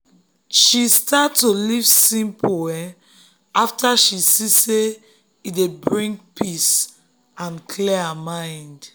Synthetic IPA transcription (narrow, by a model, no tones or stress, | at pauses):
ʃistatːolivsĩmpʰowɛ | aftaʃisise | idebɹĩŋk̚pʰis | ãnkʰlihamãɪ̃nd